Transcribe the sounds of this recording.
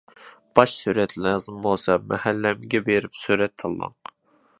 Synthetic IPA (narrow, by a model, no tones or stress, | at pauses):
b̥ɑʃsyɾɛt̪lɑzɨmbolˠsɑmɛhælːɛmɪɡʲɛbeɾɪpsyɾɛt̪ʰːɨlˠːɑ̰ŋ